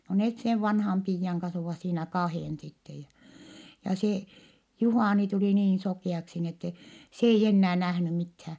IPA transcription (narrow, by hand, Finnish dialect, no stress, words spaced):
no net seʋ ʋɑnhɑm piːjːɑŋ kɑns oʋɑˑs siːnæ kɑheˑn sitːej jɑ jɑ se juhɑˑni tuliˑ niːn sokiˑɑksi ni etːe s eij enːæː næhny mithæː